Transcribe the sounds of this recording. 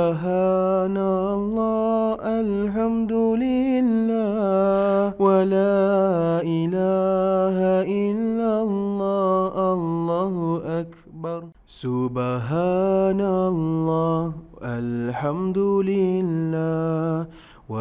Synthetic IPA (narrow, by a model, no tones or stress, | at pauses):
ɦaːna | lˤːɑːʔal | ħamd̪ʊlɪlːaːwalaːʔɪlaːɦaʔɪlːalˤːɑːʔalˤːɑːhʊʔak | bɑɾˤ | sʊbaɦaːnalˤːɑːʔalħamd̪ʊlɪlːaː | wa